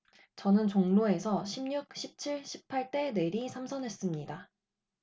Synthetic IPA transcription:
t͡ɕʌnɯnt͡ɕoŋnoe̞sʰʌɕʰimɲuk̚ɕʰip̚t͡ɕʰiɭɕʰi̥pʰaɭt͈e̞ne̞ɾisʰamsʰʌnɦe̞s͈ɯmɲida

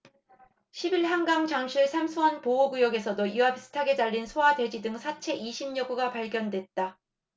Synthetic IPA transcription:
ɕʰibiɭɦaŋɡaŋt͡ɕaŋɕʰiɭsʰamsʰuwʌnpooɡujʌɡe̞sʰʌdojiabis͈ʰɯ̥tʰaɡe̞d͡ʑaʎːinsʰoadwe̞d͡ʑidɯŋsʰat͡ɕʰe̞ʔiɕʰimɲʌɡuɡapaɭɡjʌndwe̞t̚t͈a

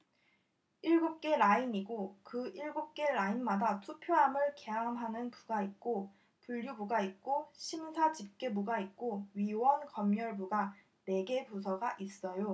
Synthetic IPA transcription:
iɭɡup̚k͈e̞ɾainiɡokɯiɭɡup̚k͈e̞ɾainmadatʰupʰjoɦamɯɭke̞ɦamɦanɯnpuɡait̚k͈o | puʎːubuɡait̚k͈oɕʰimsʰad͡ʑip̚k͈e̞buɡait̚k͈oɥiwʌnkʌmɲʌɭbuɡa | ne̞ɡe̞pusʰʌɡaʔis͈ʌjo

